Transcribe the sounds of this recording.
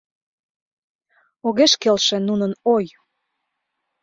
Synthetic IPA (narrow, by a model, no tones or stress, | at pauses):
oɣeʃkelʃĕnunənoj